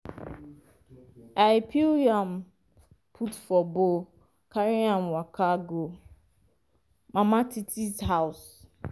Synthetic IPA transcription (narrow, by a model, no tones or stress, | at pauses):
ajɪpʰiliãm | pʰutfɔbo | kʰaɾiãmwakʰaɡo | mãmãtʰitʰisɦaʊs